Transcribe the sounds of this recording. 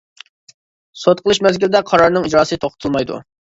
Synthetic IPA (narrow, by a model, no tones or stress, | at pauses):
sot̪̚qʰəlˠɨʃmɛzɡʲilɪd̪ɛqʰɑɾɑɾnɨŋid͡ʒɾɑːsɨt̪ʰoχʊt̪ʰulˠmɑjd̪ṵ